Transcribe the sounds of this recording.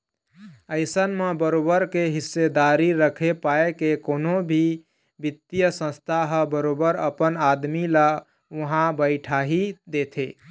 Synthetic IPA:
əɪsənmebəɾobəɾkeɦisːed̪aɾiɾəkʰepaekekonobʱi | bit̪ːijəsə̃st̪ʰaɦəbəɾobəɾə̰pənad̪mila | uɦãbəɪʈʰaɦid̪et̪ʰe

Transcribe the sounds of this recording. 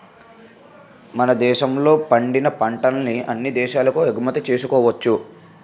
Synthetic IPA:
mɐnɐd̪ɛːʃɐmlo̞ːpɐɳɖinɐpɐɳʈɐnniɐnːid̪ɛːʃaːlɐkueɡumɐt̪ɐt͡ʃe̞ːsukɔːʋɐt͡ʃːu

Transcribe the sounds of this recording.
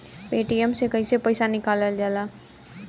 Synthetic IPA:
peːʈiəmsekəisepəɪsanɪkaːləld͡ʒaːlaː

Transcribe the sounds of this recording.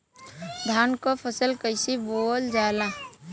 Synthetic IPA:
d̪ʱaːnkopʰəsəlkəɪsiboːld͡ʒaːla

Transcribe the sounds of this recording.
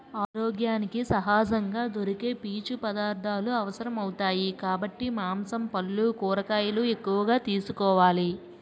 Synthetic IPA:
aːɾɔːɡjaːnikisɐɦaːd͡ʒɐŋɡaːd̪o̞ɾike̞ːpiːt͡ʃupɐd̪aːɾd̪ʱaːluɐʋɐsɐɾɐmɐwut̪aːjikaːbɐʈːimaːmsɐmpɐlːukuːɾɐkaːjɐlue̞kːuʋɐɡaːt̪iːsukɔːʋaːli

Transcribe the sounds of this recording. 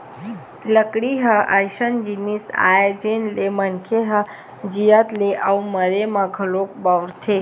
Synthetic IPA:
ləkɽiɦəʔajʃənd͡ʒinisa̰ed͡ʒenlemənkʰeɦə | d͡ʒijət̪leʔauməɾemãɡʱəlok̚bawɽt̪ʰe

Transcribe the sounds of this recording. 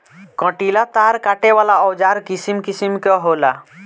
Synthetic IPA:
kɔ̃ʈilat̪aɾkaʈewalaɔwd͡ʒaɾkisimkisimkeɦola

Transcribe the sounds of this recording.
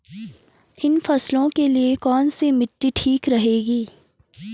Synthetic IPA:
ɪnfɐslõkeliekɔːnsemɪʈːiʈʰiːkɾɐɦeːɡiː

